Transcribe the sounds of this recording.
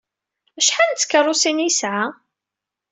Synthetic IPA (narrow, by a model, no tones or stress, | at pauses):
æʃħant͡sːkːərˤːʊsinjisʕa